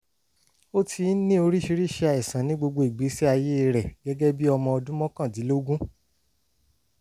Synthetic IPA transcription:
o˦tʰi˧˦nĩ˦o˧ɾi˦ʃi˧ɾi˦˨ʃɛ˧a˧ɛ˨sã˨nĩ˨˦ɡ͡bo˧ɡ͡bo˧i˨ɡ͡bi˨˦sɛ˦a˧je˦˧ɾɛ˨ɡ̥ɛ˦ɡɛ˦bi˦ɔ˧mɔ̃˧ɔ˧dũ˦mɔ̃˦kã˦˨t̬i˨˦lo˦ɡũ˦

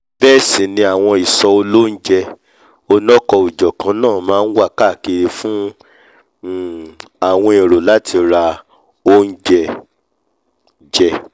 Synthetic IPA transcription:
b̥ɛː˦˨sĩ˨nĩ˧a˨w̃ɔ̃˧i˨sɔ˧o˧lo˦n̩˦d͡ʒɛ˧ | o˧nɔ̃˦kɔ˧i˨d͡ʒɔ˨kã˨˦nãː˦˨mãː˦n̩˦wa˦˨ka˦˨ke˧ɾe˧fũ˦˨ | a˨w̃ɔ̃˧i˨ɾo˨la˦tʰi˧ɾa˧ | o˦n̩˦d͡ʒɛ˧ | d͡ʒɛ˧

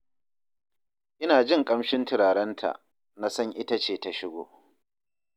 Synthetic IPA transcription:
ʔɪ˦naː˨d͡ʒɪ˦ŋkʼɐ˦mʃɪ˦ntɪ˨ɾaː˨ɽɐ˦ntʰa̰˨ʔ | na˦sɐ˦ŋʔɪ˦ta˦t͡ʃeː˨ta˨ʃɪ˦ɡʷo̰ː˨

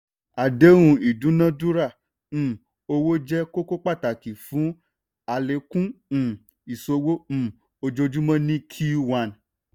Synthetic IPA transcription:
a˨de˨˦w̃ũ˧i˨dũ˨˦nã˦dũ˦ɾã˦˨ | o˧wo˦d͡ʒɛ˦ko˦ko˦k͡pa˦˨ta˨ki˨fũ˨˦ | a˨le˧kũ˦˨ | i˨so˧wo˦m̩˨ | o˧d͡ʒo˧d͡ʒũ˦mã˦nĩ˦kʰi˦wa˧n˨

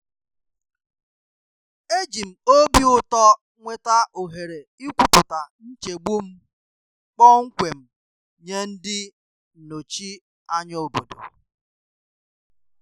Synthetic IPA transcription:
e˦d͡ʒi˨m̩˨o˦bi˦ʊ˦tɔ˦ | ŋʷe˦ta˦ʔo˨ɦe˨ɾe˨i˦kʷu˦pʊ˨ta˨n̩˦t͡ʃe˨ɡ͡bu˦m̩˦ | k͡pɔ˦ŋ̩˦kʷe˨m̩˨ | ɲe˦n̩˦dɪ˦˨ | no˨t͡ʃi˦ | a˦ɲo˦˨bo̰˨do̰˨

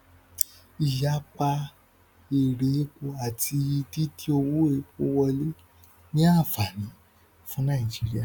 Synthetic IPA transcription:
i˨ja˦k͡pa˧ | e˨ɾe˨˦k͡po˧a˨tʰi˧i˧ti˦ti˦o˧wu˦e˨˦k͡po̰˧˦wɔ˧le˦ | nĩ˦a˦˨fa˨nĩ˨˦ | fũ˦nã˦˨i˨d͡ʒi˨˦ɾi˦a˦˨

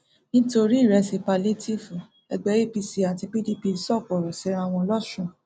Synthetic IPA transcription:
nĩ˦to˧ɾi˦˨ɾɛ˧si˧pa˧le˦ti˦˨fũ˨ | ɛ̰˧ɡ͡bɛ˨˦ɾi˦˨pi˧si˧a˨ti˧pi˦di˦pi˧˦sɔ˦˨k͡pɔ˨ɾɔ˨si˨˧˦ɾa˧˦˨w̃ɔ̃˧lɔ˦˨ʃũ˦˨

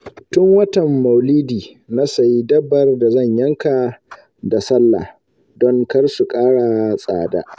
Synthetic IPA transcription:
tʊ˦ŋwɐ˦tɐ˨mːa˨wliː˦diː˨ | na˦sa˨ji˦dɐ˦bːɐ˨rda˨zɐ˦˨ɲjɐ˦ŋka˨ | da˨sɐ˦lːa̰˨ | dɔ˦ŋkɐ˦rsu˨kʼaː˦ɽa˨sʼa̰ː˨da̰ː˦ʔ

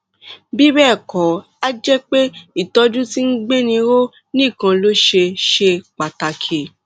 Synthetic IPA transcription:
bi˦bɛː˦˨kɔ̃˨˦ | a˦d͡ʒɛ˦k͡pe˦i˦˨tɔ˧d͡ʒũ˦ti˦n̩˦ɡ͡be˦nĩ˧ɾo˦ | nĩ˦˨kã˧lo˦ʃe˧ʃe˧k͡pa˨ta˨kʰe˨

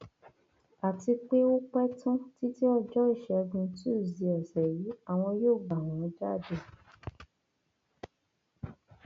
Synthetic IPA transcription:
a˨ti˧k͡pe˦o˦k͡pɛ˦tũ˦ti˦ti˦ɔ˧d͡ʒɔ˦i˦˨ʃɛ˨˧ɡũ˧ti˦u˦˨zi˧ɛ˨sɛ˨ji˨˦a˨w̃ɔ̃˧joː˦˨ɡ͡ba˨w̃ɔ̃˨˦d͡ʒa˦˨de˦˨

